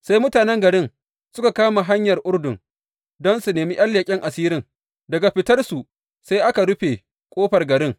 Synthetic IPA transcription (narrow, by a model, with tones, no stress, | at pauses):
sa˦jmʊ˦taː˨nɛ˦ŋɡɐ˨ɽɪ˦n | sʊ˦ka˨kaː˦ma˨ɦa˦ɲjɐ˨rʔʊ˦rdʊ˨ŋ | dɔ˦nsu˨neː˨mi˦ʔɐ˦lːja˨kʲʼɪ˦ŋʔa˨siː˦ɾɪ˦ŋ | dɐ˨ɡa˨ɸɪ˦tɐ˦rsu˨ | sa˦jʔa˦ka˨ɽʊ˦ɸe˨ | kʷʼoː˦ɸɐ˨rɡɐ˨ɾɪ˦ŋ